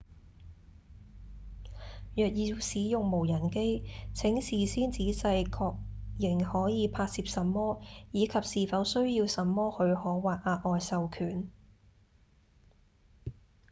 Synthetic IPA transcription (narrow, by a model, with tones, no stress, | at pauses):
jœː˨k̚jiː˨˧wsiː˨˥jʊ˨ŋmo˨˩wjɐ˨˩nke˥jt͡sʰɪ˨˥ŋsiː˨˩siː˥nt͡siː˨˥sɐ˧jkʰɔː˧k̚jɪ˨˩ŋhɔː˨˥jiː˨˧pʰaː˧t̚siː˧p̚sɐ˨mːɔː˥jiː˨˧kʰɐ˨p̚siː˨˩fɐ˨˥wsɵ˥ɥjiː˧wsɐ˨˥mːɔː˥hɵ˨˧ɥhɔː˨˥waː˨t̚ʔaː˧t̚ʔɔː˨jsɐ˨wkʰyː˨˩n